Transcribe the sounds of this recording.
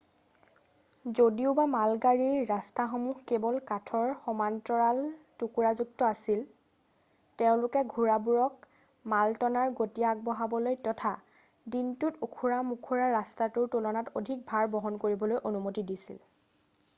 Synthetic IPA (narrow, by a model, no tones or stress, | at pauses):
zodiʊbamalɡaɹiɹːastaxomuɦkebɔlkatʰɔɹxɔmantɔɹaltukuɹazuk̚tɔasil | teʊ̃lʊkɛɡʱuɹabuɹɔk | maltɔnaɹɡotiaɡ̚bɔɦabɔlojtɔtʰa | dintʊtukʰuɹamukʰuɹaɹastatʊɹtulɔnatodʱik̚bʱaɹbɔɦɔnkoɹibɔlojʔonumotidisḭl